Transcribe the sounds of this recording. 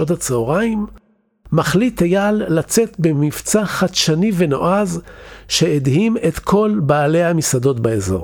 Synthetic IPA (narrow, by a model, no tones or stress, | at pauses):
otat͡seoʁaimː | aχlitajalːat͡se̞t̪bemift͡saχatʃanive̞no̞ʔazʃe̞edhime̞t̪kʰo̞lbaːlejhamisado̞tbaezo̰ʁ